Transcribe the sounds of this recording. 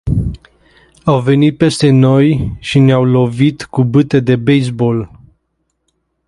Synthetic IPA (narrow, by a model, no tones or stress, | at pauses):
awve̞nit̪̚pe̞st̪e̞no̞jʃineawlo̞vit̪kubɨt̪e̞d̪e̞bejsbo̞l